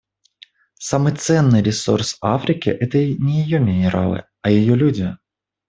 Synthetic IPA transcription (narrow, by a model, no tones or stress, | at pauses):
sɐmɨt̪sɛnːɨjɾʲɪsɔ̰rsafɾʲɪkʲɪ̰ʔɛt̪ɐinʲɛjɪjɔmʲɪnʲɪɾa̰lˠɨ̰ | ɐjɔjɔlʲudʲɐ